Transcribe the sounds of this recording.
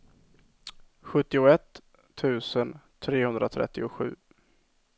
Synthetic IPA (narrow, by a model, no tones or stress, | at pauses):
ɧɵt̪ːɪʊɛt̪ʰː | ʉ̟ːsənt̪ʰɾeːhɵnd̪ɾat̪ʰɾɛ̰t̪ːɪʊɧʉ̟ː